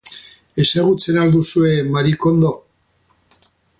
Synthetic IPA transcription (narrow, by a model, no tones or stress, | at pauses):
e̞saɣut͡se̞naɾd̪usue̞maɾiko̞nd̪o̞